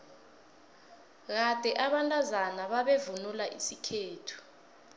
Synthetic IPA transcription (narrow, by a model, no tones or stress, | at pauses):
k̬ad̥ʱɛʔaɓantʼazanaɓaɓevunulaʔisikʰeːtʰu̥